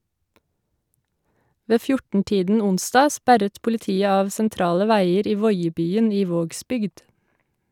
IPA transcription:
ˈʋeː ˈfjʊʈn̩ ˈtiːdn̩ ˈʊnsdɑː ˈspæɾət pʊlɪˈtiːə ˈɑːʋ sɛnˈtɾɑːlə ˈʋæɪəɾ ˈiː ˈʋɔʏəbyːən ˈiː ˈʋoːɡsbʏɡd

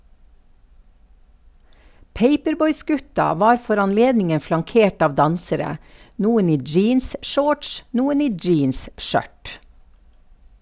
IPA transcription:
ˈpeɪpəɾˌbɔʏˌsɡʉtɑ ˈʋɑːɾ ˈfɔɾ ɑnˈleːdnɪŋə flɑŋˈkeːʈ ˈɑːʋ ˈdɑnsəɾə ˈnuːən ˈiː ˈd͡ʒiːnsˌʃoːʈʃ ˈnuːən ˈiː ˈd͡ʒiːnsˌʃœʈ

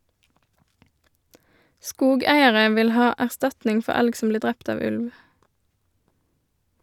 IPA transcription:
ˈskuːˌɡæɪəʁə ˈʋɪl ˈhɑː æʁˈstɑtnɪŋ ˈfɔ ˈælɡ ˈsɔm ˈbliːʁ ˈdʁɛpt ˈɑːʋ ˈʉlʋ

